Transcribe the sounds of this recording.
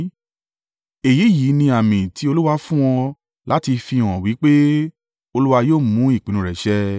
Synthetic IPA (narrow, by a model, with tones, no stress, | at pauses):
e˨ji˨˦ji˨˦nĩ˧a˨mĩ˨tʰi˨˦o˧lu˦wa˦fũ˦w̃ɔ̃˧ | la˨˦ti˧fi˧˨w̃ɔ̃˨wi˨˦k͡pe˦ | o˧lu˦wa˧joː˦˨mũ˨˦i˦˨k͡pĩ˨˦nũ˨ɾɛ˨ʃɛ˦